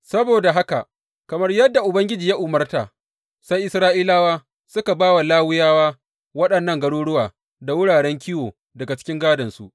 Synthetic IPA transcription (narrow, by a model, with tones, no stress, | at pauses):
sɐ˦boː˨da˨ɦa˦ka˨ʔ | kɐ˨mɐ˦rjɐ˦dːa˨ʔʊ˨bɐ˦ŋɡʲɪ˦d͡ʒiː˨ja˦ʔʊ˨mɐ˦rtaː˨ | sa˦jʔɪ˦sɾaː˦ʔiː˦laː˦waː˦ | sʊ˦ka˨baː˦wa˨laː˦wʊ˦jaː˦waː˦ | wɐ˦ɗɐ˨nːɐ˦˨ŋɡɐ˦ɽuː˦ɽʊ˦waː˨ | da˨wʊ˦ɽaː˨ɽɛ˦ŋkʲɪ˦joː˨ | dɐ˨ɡa˨t͡ʃɪ̥˦kʲɪ˦ŋɡaː˦dɐ˨nsṵ˦˨ʔ